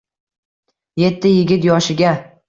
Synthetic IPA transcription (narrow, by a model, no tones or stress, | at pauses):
je̞t̪ʰːɪjɪɡʲɪt̪jɒʃɪɡʲa